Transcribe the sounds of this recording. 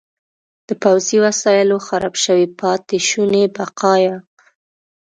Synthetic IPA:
d̪̥əpawziwasɑjɪloxaɾɑbʃəwipɑt̪ɪʃunebaqɑjɑ

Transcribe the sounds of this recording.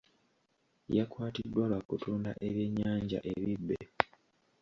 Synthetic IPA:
jakwaːtidːwalwakutuːnda̰ʔeβjeɲːaːɲɟa̰ʔe̞βibːe

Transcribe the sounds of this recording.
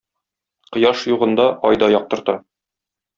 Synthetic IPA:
qɤ̆jɑʃjuʁɤ̆nd̪ɑʔɒjd̪ɑjɒq̚t̪ɤ̆ɾt̪ɑ

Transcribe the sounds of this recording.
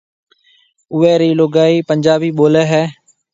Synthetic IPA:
ʊʋeːɾiːloːɡaːiːpəɲd͡ʒaːbiːɓoːleːɦɛː

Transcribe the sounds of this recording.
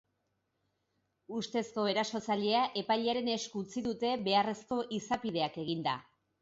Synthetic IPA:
ust̪e̞sko̞e̞ɾaso̞t͡saʎe̞aʔe̞pajʎeaɾe̞ne̞skut͡siðut̪e̞be̞are̞sko̞ʔisapiðe̞ake̞ɣ̞ind̪a̰

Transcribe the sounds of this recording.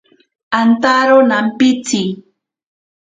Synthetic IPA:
ant̪aɾonampɪt͡si

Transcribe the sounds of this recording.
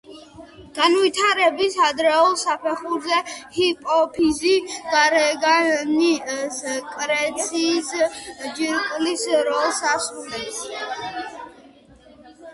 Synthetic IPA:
ɡ̥anwit̪ʰaɾɛbisad̪ɾɛɔlˠsapʰɛχuɾzɛhipʼɔpʰiziɡaɾɛɡaniskʼɾɛt̪sʰiːsd͡ʒiɾkʼlisɾɔlˠsasulɛs

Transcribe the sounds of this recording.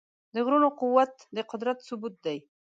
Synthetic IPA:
d̪əɣɾunoqʊwːat̪d̪əqʊd̪ɾat̪sʊbut̪̚d̪aj

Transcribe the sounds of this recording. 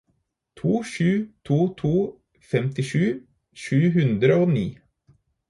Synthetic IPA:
t̪ʰuːʃʉːt̪ʰuːt̪ʰuː | fɛmt̪ɪʃʉː | ʃʉːɦʉnd̪ɾəoːnḭː

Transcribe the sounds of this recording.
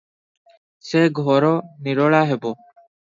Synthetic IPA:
seːɡʱoːɾoːnɪɽoːɭaːɦeːboː

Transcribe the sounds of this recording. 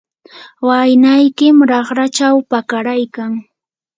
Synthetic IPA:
wajnajkɪmɾɑχɾat͡ʃawpakaɾajkaŋ

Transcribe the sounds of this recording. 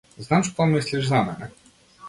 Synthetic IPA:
znamʂt̪ɔmɘɕʲlʲiʐzamɛnɛ

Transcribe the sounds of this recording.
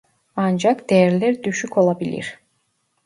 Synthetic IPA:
ɑnd͡ʒɑkd̪̥eːɾleɾd̪yʃyko̞lˠɑbilʲḭɾ

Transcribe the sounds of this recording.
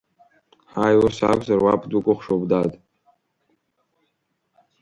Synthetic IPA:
ħajwasa̰kʷʰʼzarwapʰdukʷʼʊχʷʂobdatʼ

